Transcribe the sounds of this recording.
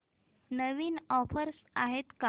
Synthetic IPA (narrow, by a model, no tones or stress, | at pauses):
nəʋiːnɔfəɾs | aɦet̪ka